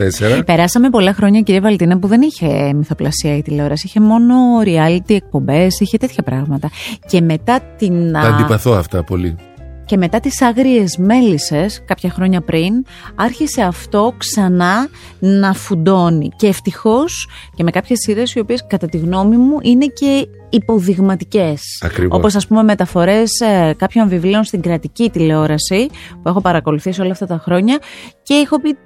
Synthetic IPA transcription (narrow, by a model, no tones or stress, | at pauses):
t̪eseɾɐpe̞ɾɐsɐme̞po̞lɐxɾo̞ɲɐciɾiɐvɐlt̪inɐpuðe̞niçe̞miθo̞plɐsiɐit̪ileo̞ɾɐsiçe̞mo̞no̞ɾiɐlit̪iek̚po̞mbe̞siçe̞t̪e̞t̪çɐpɾɐɣmɐt̪ɐce̞me̞t̪ɐt̪inɐnd̪ipɐθoɐft̪ɐpo̞̰lḭ | ce̞me̞t̪ɐt̪isɐɣɾie̞zme̞lise̞skɐpçɐxɾo̞ɲɐpɾin | ɐɾçise̞ɐft̪o̞ksɐnɐ | nɐfud̪o̞nḭceːft̪ixo̞s | ce̞me̞kɐpçe̞siɾesio̞pie̞skɐt̪ɐt̪iɣno̞mimuʔine̞ce̞ | ipo̞ðiɣmɐt̪ice̞sɐ̰kɾio̞po̞s̬ɐspumeme̞t̪ɐfo̞ɾe̞skɐpço̞ɱvivlio̞nst̪iŋɡɾɐt̪icit̪ile̞o̞ɾɐsipue̞xo̞pɐɾɐko̞luθisio̞lɐːft̪ɐt̪ɐxɾo̞ɲɐce̞exo̞pi